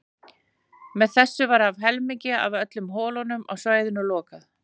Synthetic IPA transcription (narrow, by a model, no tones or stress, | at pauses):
mɛðθɛsːʏvaɾavɦɛlmiɲcɪa̰vœt̪lʏmɦɔːlɔnʏmʔa̰ɣsvaːjðɪnʏlɔːkað